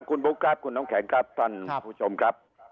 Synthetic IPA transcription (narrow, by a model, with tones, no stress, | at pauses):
ku˧nɓo˨˦˥kaː˦˥p̚ku˧˨nɔ˦ŋ͡mkʰɛ˨˦ŋkaː˦˥p̚t̪ʰa˧˩n˧t͡ɕo˨˧mka˦˥p̚